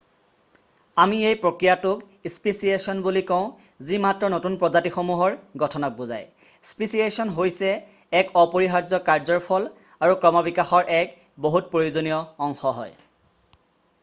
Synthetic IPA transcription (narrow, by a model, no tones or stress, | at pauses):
amiejpɹokɹijatʊk | ispesiesɔnbulikɔ̃ʊ̃ | zimatɹɔnotunpɹɔzatixomuɦɔɹɡɔtʰɔnak̚buza̰j | spisiesɔnɦojsɛː | kɔpoɹiɦaɹzɔkaɹzɔɹpʰɔl | aɹukɹɔmɔbikaxɔɹʔɛk | boɦut̚pɹojozonijɔːŋxɔɦɔ̰j